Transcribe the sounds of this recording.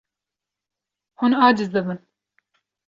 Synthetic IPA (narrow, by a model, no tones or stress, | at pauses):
hunɑːd͡ʒɨzd̪ɨbɨn